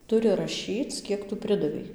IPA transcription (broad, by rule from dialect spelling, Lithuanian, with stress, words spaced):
ˈtʊrʲɪ rɐˈʃʲiːt͡s ˈkʲiɛk tʊ ˈpʲrʲɪdɐʋʲɛɪ